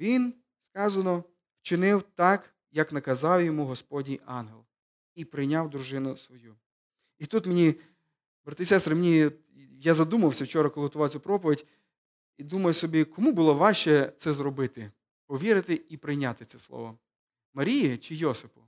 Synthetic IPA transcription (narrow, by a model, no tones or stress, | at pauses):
ʋʲin | skɑzɐnɔ | wt͡ʃɪnɪwt̪ɑk | jɐknɐkɐzɑwjɔmuɦɔspɔdʲnʲijɑnɦelˠ | ipɾɪjnʲawd̪ɾʊʒɪnʊsʋɔju | it̪ut̪menʲi | bɾɐt̪ɪisɛst̪ɾɪmenʲi | jazɐd̪umɐwsʲɐwt͡ʃɔɾɐkɔlˠɪɦɔt̪ʊʋɑt͡sʲupɾɔpɔʋʲɪdʲ | id̪umɐjsɔbʲikɔmubʊlˠɔʋɑʃt͡ʃɛt̪sɛzɾɔbɪt̪ɪ | pɔʋʲiɾɪt̪ɪipɾɪjnʲat̪ɪsɛslˠɔ̰ʋɔ | mɐɾʲijit͡ʃɪjɔsɪpʊ̥